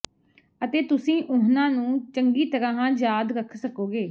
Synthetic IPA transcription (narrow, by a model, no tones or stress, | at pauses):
ət̪eːt̪ʊsĩːʔʊɦnãːnũːt͡ʃəŋɡiːt̪əɾãːɦãːd͡ʒjaːd̪ɾəkʰsəkoːɡeː